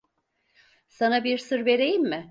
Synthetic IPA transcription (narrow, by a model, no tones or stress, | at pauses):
sanabiɾsɯɾve̞ɾejimːɪ